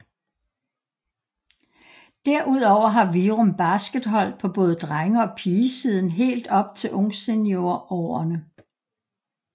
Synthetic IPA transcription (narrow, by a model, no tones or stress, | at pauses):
d̥æɐ̰ʔuð̞̰ˠɒʊ̰ɐɦɑ̈ʋiːʁomb̥æsɡ̥əd̥ɦɒ̽l̰̥̚pʰɒ̽b̥ɔ̽ːð̩ˠd̥ʁaŋɐɒ̽pʰiːəsiːð̞ˠn̩ɦe̝̰ːld̥ɒ̽b̥t͡sʰe̝lʔɔ̽ŋsenjo̝ɐʔɒ̰ːɐnə